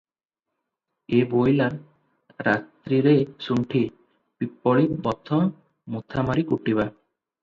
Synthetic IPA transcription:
ebojlaɾ | ɾat̪ɾiɾesuɳʈʰi | pipːɔɭibɔt̪ʰɔ | mut̪ʰamaɾikuʈiβa

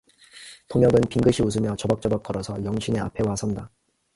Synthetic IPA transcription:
tʰoŋjʌɡɯnpiŋɡɯɕʰius̬ʰɯmjʌt͡ɕʌbak̚t͡ɕ͈ʌbak͈̚ʌɾʌsʰʌjʌŋɕʰinea̰pʰe̞wasʰʌnda

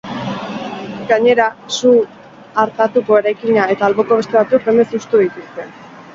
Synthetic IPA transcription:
ɡaɲe̞ɾasu | aɾt̪at̪uko̞eɾajkiɲae̞t̪aːlβo̞ko̞βe̞st̪eat͡suk̚be̞me̞sust̪uðit̪ust̪e̞

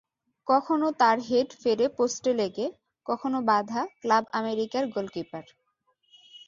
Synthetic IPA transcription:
kɔkʰonot̪aɾɦeɖfeɾeposʈeleɡe | kɔkʰonobad̪ʱaklabameɾikaɾɡolkipaɾ

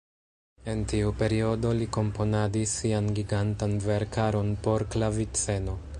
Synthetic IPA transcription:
e̞ntiupe̞ɾio̞do̞liko̞mpo̞nadisːianɡiɡantanve̞ɾkaɾo̞npo̞ɾklavit͡se̞no̞

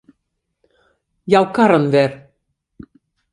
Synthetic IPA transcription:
jɑlˠkɑɾɤ̆nvæɾ

